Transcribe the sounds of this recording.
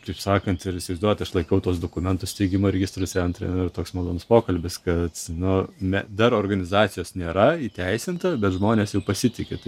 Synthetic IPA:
kɐɪpsɑːkɐnt̪ɪɾɪʃʲsʲɪʋɐɪzd̪uɔjɛt̪ɐʃlˠɐɪkʲɐʊt̪uɔs̬d̪oːkʊmʲɛnt̪ʊst̪ʲɛɪɡʲɪmoːɾʲɛɡʲɪst̪ɾosʲɛnt̪ɾʲɛ̰nʊɪrt̪oːksmɐlˠoːnʊspoːkɐlʲbʲɪskɐt̪nʊmʲɛd̪ɐɾoːrɡɐnʲɪzɑːt͡s̪ʲɪjoːsnʲeːɾɐiːt̪ʲɛɪsʲɪnt̪ɐbʲɛt̪ʒmoːnʲeːsjɛʊpɐsʲɪt̪ʲɪkʲet̪ɐɪ

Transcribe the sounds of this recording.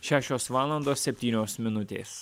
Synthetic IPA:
ʃʲæːʃʲoːsʋɑːlˠɐnd̪oːsʲsʲɛpʲt̪ʲiːnʲoːsmʲɪnʊt̪ʲḛːs

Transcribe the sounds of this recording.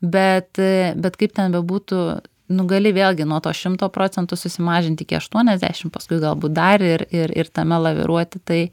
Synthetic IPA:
bʲɛt̪bʲɛt̪kɐɪp̚t̪ʲɛnbʲɛbuːt̪ʊ | nʊɡɐlʲɪʋʲeːlʲˠɡʲɪnuɔt̪oːʃʲɪmt̪oːpɾoːt͡sʲɛnt̪ʊsʊsʲɪmɑːʒʲɪnʲt̪ʲɪkʲɪɐ̰ʃt̪uɔnʲɛzʲd̪ʲæ̰ʃʲɪmpɐskʊɪɡɐlˠbuːt̪̚d̪ɐrɪɾɪɾɪ̰rt̪ɐmʲɛlˠɐʋʲɪ̰ɾʔuɔt̪ʲɪt̪ɐɪ

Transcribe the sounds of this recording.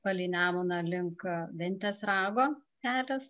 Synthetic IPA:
pɐlʲiːnʲæːmʊnɐlʲɪŋkʋʲɪnʲt̪ʲɛsɾɑːɡoːsʲæːlʲɛs

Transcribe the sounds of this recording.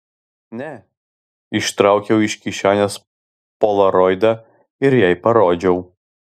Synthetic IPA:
nʲɛ | ɪʃt̪ɾɑˑʊkʲɛʊɪʃʲkʲiʃʲæːnʲɛs | pɔlˠɐɾɔjd̪ɐ | ɪɾjɛɪpɐɾoːd͡ʒʲɛʊ

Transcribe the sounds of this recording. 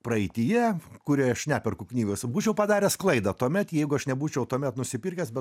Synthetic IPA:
prɐɛɪt̪ʲɪjɛkʊɾʲiɛɐʃʲnʲæːpʲɛrkʊknʲiːɡɐsbuːt͡ʃʲɛʊpɐd̪ɑːɾʲɛsklˠɐɪd̪ɑt̪uɔmʲɛt̪jɛɪɡʊɐʃnʲɛbuːt͡ʃʲɛʊt̪uɔmʲɛt̪nʊsʲɪpʲɪrʲkʲɛsbʲɛ

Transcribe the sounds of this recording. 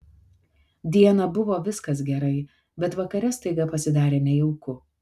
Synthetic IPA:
d̪ʲiɛnɐbʊʋoːʋʲɪskɐs̬ɡʲɛɾɐɪ | bʲɛt̪ʋɐkɐɾʲɛst̪ɐɪɡɐpɐsʲɪd̪ɑːɾʲeːnʲɛjɪʊkʊ

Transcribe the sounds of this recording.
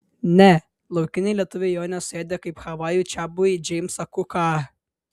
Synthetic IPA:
nʲɛ | lˠɐʊkʲɪnʲɛɪlʲiɛt̪ʊʋʲɛɪjoːnʲɛsʊeːd̪ʲekɐɪpxɐʋɑːjuːt͡ʃʲæbʊid͡ʒʲɛɪmsɐkʊkɑː

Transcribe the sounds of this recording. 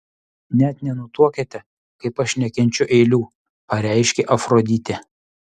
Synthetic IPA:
nʲɛt̪nʲɛnʊt̪uɔkʲɛt̪ʲɛ | kɐɪpɐʃnʲɛkʲɛnʲt͡ʃʲʊʔɛɪlʲuː | pɐɾʲæˑɪʃʲkʲeʔɐfɾoːd̪ʲit̪ʲe

